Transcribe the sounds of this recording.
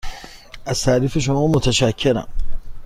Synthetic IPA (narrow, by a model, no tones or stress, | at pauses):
ʔasaːɾɪfiʃ̬ʊmoːmʊt̪ɐʃakʲʰːɪɾa̰